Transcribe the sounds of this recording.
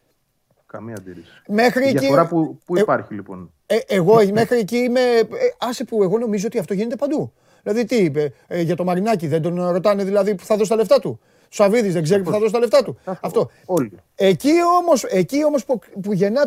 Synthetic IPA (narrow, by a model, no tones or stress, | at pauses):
kɐmiɐd̪iɾisi̥me̞xɾieɐiɾɐpupuipɐɾçilipo̞̰n | eʔːɣo̞me̞xɾieciime̞ɐsipue̞ɣo̞no̞mizo̞o̞t̪iɐft̪o̞ʝine̞t̪e̞pɐnd̪u | ðilɐðit̪ipeʝɐt̪o̞mɐɾinɐciðe̞nd̪o̞nɾo̞t̪ɐne̞ðilɐðipu̥θɐðos̬t̪ɐle̞ft̪ɐt̪u | sɐviðizðe̞ɡzeɾipuθɐðo̞s̬t̪ɐleft̪ɐt̪uɐft̪o̞ | ol | ecio̞mo̞se̞cio̞mo̞spupuʝe̞nɐ